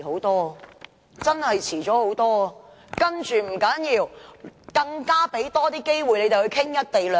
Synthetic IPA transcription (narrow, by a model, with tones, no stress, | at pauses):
ho˨˥wt̪ɔː˥ | t͡sɐ˥nhɐ˨jt͡sʰiː˨˩t͡sɔː˨˥ho˨˥wt̪ɔː˥˧ | kɐ˥nt͡ʃyː˨m̩˨˩kɐ˨˥njiː˧wkɐ˧ŋkaː˥pe˨˥jt̪ɔː˥t̪iː˥ke˥jwu˨jne˨˧t̪hɵ˧jkʰɪ˥ŋjɐ˥t̚t̪e˨jlœː˨